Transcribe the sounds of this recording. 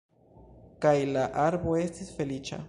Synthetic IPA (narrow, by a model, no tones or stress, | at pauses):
kajlaʔaɾbo̞e̞stisfe̞lit͡ʃa̰